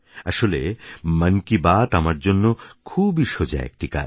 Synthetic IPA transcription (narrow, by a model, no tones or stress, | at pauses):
aʃolemankibat̪amaɾd͡ʑonːokʰubiʃod͡ʑa̰ɛ̰k̚ʈika̰ɾ